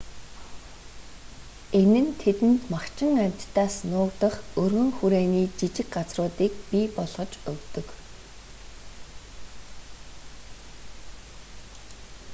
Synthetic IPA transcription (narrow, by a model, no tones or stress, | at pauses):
enɘ̆nt̪ʰet̪ɘ̆nt̪makt͡ɕɪ̆ŋamʲt̪t̪ːaːsnʊːkt̪ə̆χɵrɣɵ̆ŋxuɾeːniːt͡ɕit͡ɕɪ̆kɢat͡srʊːt̪iːk̚pʲiːpɔɮʁɞ̆t͡ɕɵkt̪ɵ̆k